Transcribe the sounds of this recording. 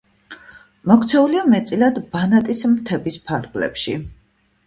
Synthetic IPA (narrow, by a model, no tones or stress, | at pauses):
mɔkʰt̪sʰɛuliamɛt̪sʼilad̪banat̪ʼismt̪ʰɛbispʰaɾɡlɛ̰pʃḭ